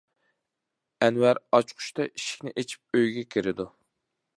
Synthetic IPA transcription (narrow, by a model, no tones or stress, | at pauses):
ɛnwæɾɑt͡ʃqʰʊ̥ʃt̪ɑʔiʃi̥kʲnɪʔet͡ʃʰi̥p̚øjɡʲɛkʲʰiɾɪd̪u